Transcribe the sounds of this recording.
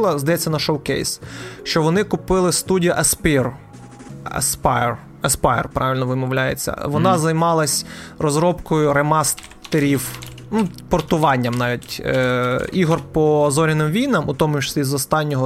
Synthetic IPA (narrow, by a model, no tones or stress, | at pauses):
lˠɐzd̪ɐjɛt͡sʲːɐnɐʃɔwkɛ̰jsʃt͡ʃɔʋɔnɪkʊpɪlˠɪst̪udʲijɐʔɐspɪr | ɐ̰spar | ɐspɑj̰rpɾɑʋɪlʲnɔʋɪmɔʋlʲajḛt͡sʲːɐ̰ʋɔnɑzɐjmɑlˠɐsʲrɔzɾɔpkɔjʊɾemɑs | t̪eɾʲiw | nupɔrt̪ʊʋɑnʲːɐmnɑʋʲitʲ | iɦɔrpɔzɔɾʲɪnɪmʋʲijnɐmʊt̪ɔmʊʃsʲizɔst̪ɑnʲːɔɦɔ